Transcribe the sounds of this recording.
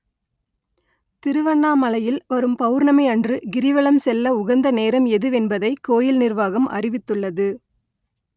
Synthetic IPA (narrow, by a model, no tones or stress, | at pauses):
t̪ɪɾɯʋɐɳːaːmɐlɐjɪlʋɐɾɯmpɐʋɯɾnɐmɐɪɐndrɯɡɪɾɪʋɐɭɐmsɛlːɐʊɣɐnd̪ɐneːɾɐmɛðɯʋɛnbɐðɐɪkːoːjɪlnɪrʋaːɣɐmʔɐ̰rɪʋɪt̪ːɯɭːɐðɯ